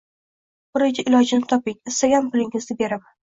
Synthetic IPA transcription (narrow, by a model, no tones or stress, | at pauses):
bʊɾɪkʲɪʔɪlɒd͡ʒɪnɪt̪ʰɒpɪŋɪst̪aɡʲanpʰɪlɪŋɪzd̪ɪbe̞ɾɪp